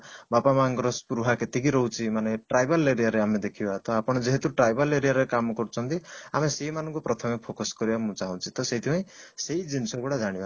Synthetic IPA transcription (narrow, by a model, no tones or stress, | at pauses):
bapamaŋɡɾɔspuɾuɦaket̪ikiɾɔɦut͡ʃʰimaneʈɾajbʱɔleɾijaɾeamed̪ekʰibat̪ɔapɔɽ̃ɔd͡ʒeɦet̪uʈɾajbɔleɾijaɾekamɔkɔɾut͡ʃʰɔnt̪iameseimanɔ̃ŋkupɾɔt̪ʰɔmepʰokɔskɔɾibamũt͡ʃaɦɔ̃t͡ʃʰit̪ɔset̪ʰipaj̃seid͡ʒinisɔkuɽad͡ʒaɽ̃iba